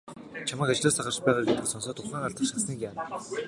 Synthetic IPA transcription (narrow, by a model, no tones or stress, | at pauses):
t͡ɕʰamaːkat͡ɕɮʊːsaχə̆rt͡ɕpæːʁaːrɡet̪ɘ̆ksɔnsɔːt̪ʊχaːŋaɮt̪ə̆χʃasə̆ːŋkʲjaːm